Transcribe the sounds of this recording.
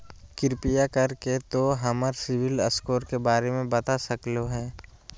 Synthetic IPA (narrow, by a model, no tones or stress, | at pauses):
kɪɾpijakɐɾket̪oɦɐməɾsɪʋɪləskoːɾkebaːɾemẽbɐt̪asɐkloɦɛ̃ː